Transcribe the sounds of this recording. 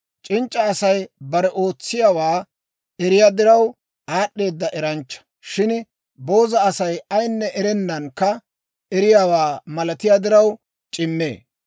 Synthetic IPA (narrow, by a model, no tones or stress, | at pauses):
t͡ʃʼɪnt͡ʃʼːɐːsɐjbɐɾɛʔo̞ːt͡sːɪjaːwaː | ɛɾɪjad̪ɪɾɐw | aːɗːe̞ːd̪ːɐʔɛɾɐnt͡ʃːɐ̥ | ʃɪn | bo̞ːzɐːsɐjɐjnːɛʔɛɾɛnːɐnkːɐ | ɛɾɪjaːwaːmɐlɐt̪ɪjad̪ɪɾɐw | t͡ʃʼɪmːḛː